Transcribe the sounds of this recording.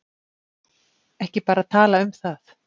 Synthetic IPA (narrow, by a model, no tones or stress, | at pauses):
ɛhcɪpaːɾat̪ʰaːlaʏmθaθ